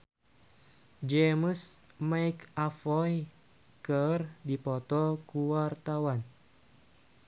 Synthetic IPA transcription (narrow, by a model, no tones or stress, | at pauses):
d͡ʒɛməs | majkafɔj | kərdipɔt̪ɔkuwart̪awan